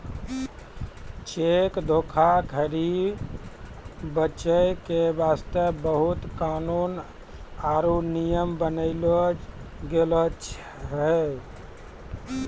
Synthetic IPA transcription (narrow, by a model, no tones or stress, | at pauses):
t͡ʃekd̪ʱokʰakʰəɾi | bət͡ʃəjkebast̪əbəɦut̪kanun | aɾunijəmbənəɪloɡelət͡ʃ | ɾəɦ